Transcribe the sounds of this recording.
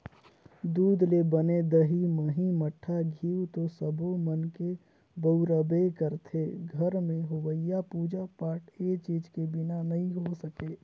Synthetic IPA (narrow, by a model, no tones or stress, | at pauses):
d̪uːd̪lebəned̪əɦiməɦĩməʈʰːaɡʱiːut̪osəbʱomənke | bəʊɾəbekəɾt̪ʰeɡʱəɾmẽɦʊwəjapuːd͡ʒapaːʈʰet͡ʃiːd͡ʒkebɪnanɐɦĩɦosəkeː